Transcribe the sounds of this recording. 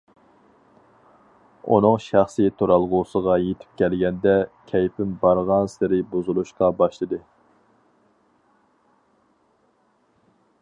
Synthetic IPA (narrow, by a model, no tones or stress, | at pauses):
ṵnɨŋʃæχsit̪ʰoɾɑlˠʁʊsəʁɑjet̪ʰɪ̥p̚kʲʰɛlɡʲɛnd̪ɛkʲʰɛjpɪmbɑɾʁɑnsɪɾɪbozulˠuʃqɑbɑʃlˠɨd̪ɨ